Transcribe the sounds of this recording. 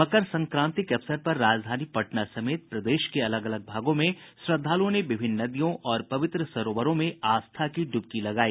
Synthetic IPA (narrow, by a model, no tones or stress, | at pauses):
mɐkəɾsɐ̃ŋkɾãːnt̪ɪkɐfsəɾpɐɾːaːd͡ʒd̪ʱaːnipɐʈnasɐmeːt̪̚pɾɐd̪eːʃkeɐləɡɐləɡ̚bʱaːɡõmẽsɾɐd̪ʱːaːlõneʋɪbʱɪnːɐd̪ijõʔɔːɾpɐʋɪt̪ɾəsɐɾoːʋəɾõmẽaːst̪ʰakiɖʊb̚kilɐɡaːiː